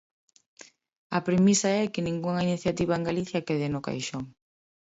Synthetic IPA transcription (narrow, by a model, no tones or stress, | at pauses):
ɐpɾemisɐɛkɪnĩŋɡuŋɐiniθjat̪iβ̞ɐeŋɡaliθjɐkɛðɪnʊka̰jʃoŋ